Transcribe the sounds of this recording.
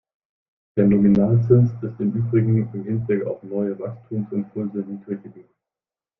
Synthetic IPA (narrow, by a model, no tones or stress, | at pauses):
d̥eːɐnominaːlt͡sɪnsɪstɪmʔyːbʁɪɡŋ̩ɪmhɪntv̥ɛka̰ʊfnɔʏəvakstʰuːmsɪnpʰʊlzənːtʰɛkəɡi